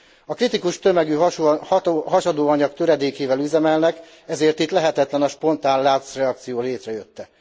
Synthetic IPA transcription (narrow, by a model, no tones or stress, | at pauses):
ɒkrit̪ikuʃt̪ø̞mɛɡy | ɦɒʃɒd̪oːɒɲɒkt̪øɾɛd̪eːkeːvɛlyzɛmɛlnɛk | ɛzeːrt̪it̪lɛɦɛt̪ɛt̪lɛnɒʃpo̞n̪t̪aːnlaːt̪srɛɒk̚t̪sijoːleːt̪rɛjøt̪ːɛ